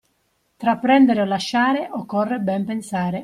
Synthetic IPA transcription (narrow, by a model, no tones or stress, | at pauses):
t̪ɾapːɾɛnd̪eɾeolaʃːaːɾeʔɔkːɔrːebɛmpensaːɾe